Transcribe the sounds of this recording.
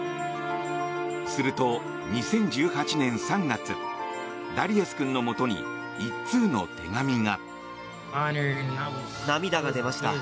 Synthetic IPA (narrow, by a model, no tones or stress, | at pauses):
sɨɾɯ̟t̪o̞ | ɲ̟isẽ̞ɲ̟d͡ʑɨːhat͡ɕinẽ̞ɰ̃sãŋɡat͡sɨ | d̪aɾʲiesɨ̥kɯ̟̃nːo̞mo̞t̪o̞ɲ̟ḭ | itt͡sɨːno̞̰t̪ʰe̞̰ɡamʲiŋa | namʲid̪aɡad̪e̞maɕi̥t̪a